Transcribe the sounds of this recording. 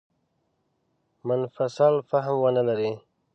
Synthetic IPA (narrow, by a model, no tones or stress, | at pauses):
mɪnfasalfaɦmwənəlaɾi